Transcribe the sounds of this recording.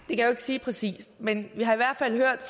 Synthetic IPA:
d̥e̝kʰæjoe̝ɡ̥siːpʰʁɛsḭːsd̥menʋiɦɑ̈iʋæɐ̰d̥fæl̰høɐ̰d̥f

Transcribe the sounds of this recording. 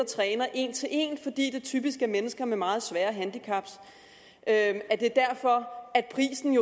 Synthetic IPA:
ɐt͡sʰʁɛːnɐʔe̝nt͡sʰe̝lʔe̝̰nfɒ̽d̥ḭːd̥e̝t͡sʰyːb̥isɡ̥əmenəsɡ̥ɐmemɑ̈ːð̞̩ˠsʋæːɐɦænd̥ikʰɑ̈b̥s | ʔøæɐd̥e̝d̥æɐfɒ̽æd̥̚pʰʁḭːsn̩jo̝

